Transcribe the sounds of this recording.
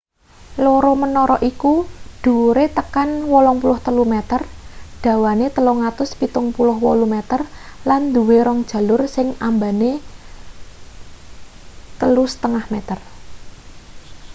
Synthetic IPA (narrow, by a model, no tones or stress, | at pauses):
loɾɔmənɔɾɔʔikudɖ̥ṳɾet̪əkanwɔlɔŋpulʊht̪əlumɛt̪ərɖ̪̥ä̤wanet̪əlɔŋat̪ʊspit̪ʊŋpulʊɦwɔlumɛt̪ər | land̪uweɾɔŋd̥ʒ̥ä̤lʊrsɪŋambane | t̪əlusə̥t̪əŋahmɛt̪ər